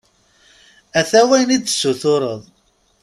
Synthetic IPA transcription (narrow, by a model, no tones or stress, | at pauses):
æθæwæjnid̪θsːuθʊɾˤəðˤ